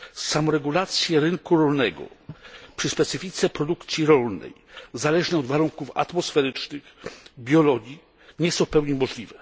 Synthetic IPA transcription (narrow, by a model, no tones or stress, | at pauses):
samɔɾɛɡulat̪sʲjɛɾɘŋkuɾɔlnɛɡɔ̰pʂɘspɛt̪sɘfʲit̪sɛpɾɔd̪ukt̪sʲjiɾɔlnɛ̰jzalɛʐɲɛɔd̪vaɾuŋkufa̰t̪mɔsfɛɾɘt͡ʂnɘxbʲjɔlɔɡʲi | ɲɛsɔ̃wfpɛwɲimɔʐlʲivɛ